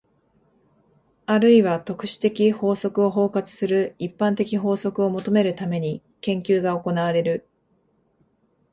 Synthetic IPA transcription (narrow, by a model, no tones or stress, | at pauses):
aɾɯ̟iβat̪o̞kɯ̟̥ɕi̥t̪e̞kʲiho̞ːso̞kɯ̟o̞ɦo̞ːkat͡sɨ̥sɨɾɯ̟ipːãnt̪e̞kʲiɦo̞ːso̞kɯ̟o̞mo̞t̪o̞me̞ɾɯ̟t̪ame̞ɲ̟i | kẽ̞ŋkʲɨːɡaoko̞naβaɾe̞ɾɯ̟